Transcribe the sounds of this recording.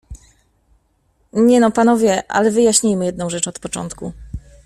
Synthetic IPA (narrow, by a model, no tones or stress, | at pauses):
ɲɛnɔpanɔvʲjɛʔa̰lɛvɘjaɕɲijmɘjɛd̪nɔ̃w̃ʐɛt͡ʂɔt̪pɔt͡ʂɔ̰nt̪ku